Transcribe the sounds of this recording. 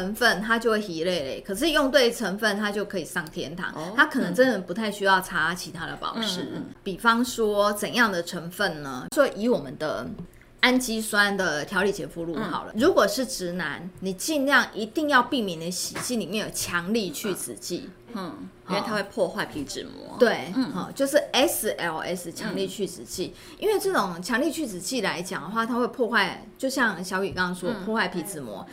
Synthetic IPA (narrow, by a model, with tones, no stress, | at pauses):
ə˧˥ŋfə˥˩nt̪ʰa˥t͡ɕjo˥˧we˥˩xi˧˥le˥˩ɪlə˨˩˦kʰə˨˩ʂ̬ɻ̩˥˧jɔ˥˧ŋt̪we˥˩ɪʈ͡ʂʰə˧˥ŋfə˥˨nt̪ʰa˥t͡ɕjo˥˩ʊkʰɤ˧˥i˨˩sɑ˥˩ŋt̪ʰjɛ˥nt̪ʰɑ̰˨˦ŋʰa˥kʰɤ˨˩nə˧˦ŋt͡sə˥nd͡zə˨˩pu˧˥t̪ʰa˥˩ɪɕy˥jɑ˥˧ʊt͡sʰa˥t͡ɕʰi˨˩t̪ʰa˥d̪ə˨pɑ̰˨˩ʊʂɻ̩˧˦pi˨˩fɑ˦ŋswɔ˥t͡sə˨˩njɑ˥˩ŋd̪ə˩ʈ͡ʂʰə˧˥ŋfə˥˨nnə˩ʂwɔ˥ʔi˧˥wɔ˨˩mə˦nd̪ə˧ | a˦nt͡ɕi˥swa˦˥nd̪ə˨˩t̪ʰjɑ˧˥ʊli˨˩t͡ɕjɛ˧˥fu˥˧lu˥˩xɑ̰˨˩ʊlə̰˦ɻu˧˥kwɔ˨˩ʂɻ̩˥˩ʈ͡ʂɻ̩˧˥na˧˦nni˨˩t͡ɕi˥˧nljɑ˥˨˩ŋʔi˧˥t̪i˥˧ŋjɑ˥˧ʊpi˥˩mjɛ˨˩nd̪ə˧˦ɕi˨˩t͡ɕi˥˩li˨˩mjɛ˥˩njo˨˩ʊt͡ɕʰjɑ˧˥ŋli˥˧t͡ɕʰy˥˩t͡sɹ̩˨˩t͡ɕḭ˥˩˥ | t̪ʰa˥we˥˧pʰwɔ˥˧xwa˥˩ɪpʰi˧˥ʈ͡ʂɻ̩˨˩mwɔ̰˧˦t̪we˥˩ɪɔ̰˥˨˩t͡ɕjo˥˧ʊʂɻ̩˥˩ɛ˦˥s̩˨˩ʔɛ˧˥˧ɛ˥st͡ɕʰjɑ˧˥ŋli˥˧t͡ɕʰy˥˩t͡sɹ̩˨˩t͡ɕi˥˩ | i˦˥nwe˥˧ɪʈ͡ʂɤ˥˩ʈ͡ʂo˨˩ŋt͡ɕʰjɑ˧˥ŋli˥˧t͡ɕʰy˥˩t͡sɹ̩˨˩t͡ɕi˥˩la˧˦ɪt͡ɕjɑ˨˩ŋd̪ə˦xwa˥˩t̪ʰa˥xwe˥˧ɪpʰwɔ˥˧xwa˥˩ɪt͡ɕjo˥˧ʊɕjɑ˥˧ŋɕjɑ˧ʊi˨˩kɑ˥ɑ˥ŋswɔ˥pʰwɔ˥˧xwa˥˩ɪpʰi˧˥t͡sɻ̩˨˩mwɔ̰˧˦